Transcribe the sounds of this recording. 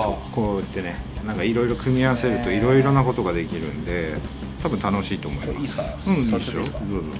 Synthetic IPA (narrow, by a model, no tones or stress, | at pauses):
so̰ko̞ːit̪ːe̞nenãŋkaiɾo̞iɾo̞kɯ̟mʲiaβase̞ɾɯ̟t̪o̞iɾo̞iɾo̞nako̞t̪o̞ɡad̪e̞kʲiɾɯ̟̰̃nd̪e̞ | t̪abɯ̟nt̪ano̞ɕiːt̪o̞ːmo̞imaɯ̟̃deosoːsoː